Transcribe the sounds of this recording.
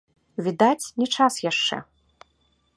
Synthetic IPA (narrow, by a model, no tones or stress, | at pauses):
vʲid̪at͡sʲnʲɛt͡ʂasjaʂt͡ʂɛ̰